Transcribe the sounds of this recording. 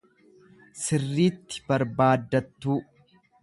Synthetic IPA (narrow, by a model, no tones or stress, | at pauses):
sɪrːiːt̪ːɪ̥bɐɾbaːd̪ːɐt̪ːuː